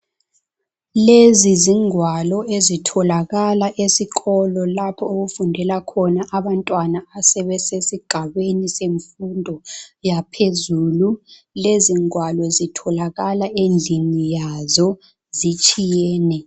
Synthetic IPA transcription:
leziziŋwalɔezitʰɔlaɣalaʔesiɣʰɔlɔlapʰɔoɣufundʱɛlakʰɔnaʔaβantʼwanaasɛβɛsesiɡ̥ʱaβeniseɱfundʱɔjapʰezuːlu | leziŋwalɔezitʰɔlaɣalaʔend͡ɮʱinijazɔ | zit͡ʃʼijɛːnɛ

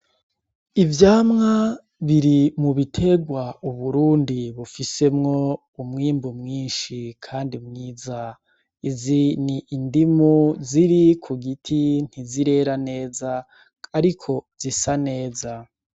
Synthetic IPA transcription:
ivjaːmŋa | βiɾimuβitʰe̞ɡwauβuɾuːndiβufise̞mŋo̞ | umŋiːmbumŋiːnʃikʰaːndimŋiːza | iziniːndimuziɾikʰuɡitʰin̥iziɾe̞ɾane̞ːzaː | ɾikʰo̞zisane̞ːza

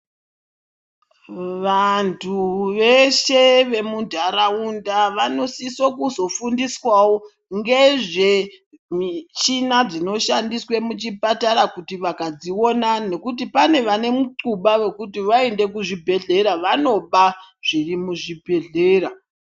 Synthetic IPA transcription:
ʋantʰuʋe̞ʃe̞ʋe̞mudʱaɾaundaʋano̞sisokuzo̞fundiswawo̞ | ŋɡeʐe | mit͡ʃinad͡zino̞ʃandiswe̞mut͡ʃipataɾakutiʋakad͡zio̞nane̞kutipane̞ʋane̞muǀuɓawe̞kutiʋae̞nde̞kuʐibʱe̞ɮe̞ɾaʋano̞ɓaʐ̥irimuʐibʱe̞ɮe̞ːɾa

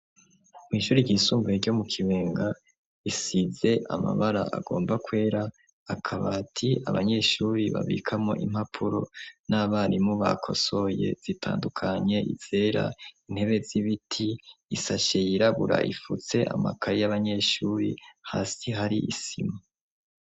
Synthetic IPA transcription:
mwiːʃuːɾiɟisuːmɡueɾɟo̞mukʰiweːŋɡa | isize̞ʔa̰ma̰βaɾa̰ʔa̰ɡo̞ːmbakwe̞ːɾaː | kʰaβaːtʰia̰βa̰ɲe̞ʃuːɾiβa̰βḭkʰamŋo̞̰ʔim̥hapʰuɾo̞̰naβaːnimuβa̰kʰo̞̰so̞je̞̰z̥itʰa̰ːndukʰaɲe̞ʔḭz̥e̞ɾa̰in̥he̞βe̞ziβitʰiːsaʃe̞jiɾaβuɾa̰ʔifut͡se̞ʔa̰ma̰kʰaɾijaβaɲe̞ːʃuːɾḭhaːsiɦaɾiʔḭsima

